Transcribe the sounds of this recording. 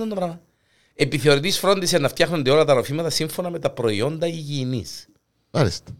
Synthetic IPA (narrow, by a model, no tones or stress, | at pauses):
ond̪oɾɐ | e̞piθeo̞ɾit̪isfɾo̞nd̪isenːɐft̪çɐxnond̪e̞o̞lɐt̪ɐɾo̞fimɐt̪ɐsiɱfo̞nɐme̞t̪ɐpɾo̞io̞nd̪ɐiʝiːnḭs | ɐɾest̪e̥